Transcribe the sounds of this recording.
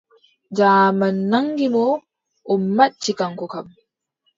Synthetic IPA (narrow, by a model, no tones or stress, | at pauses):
d͡ʒaːmanːaŋɡimɔ | ʔɔmːat͡ʃːikaŋkɔkam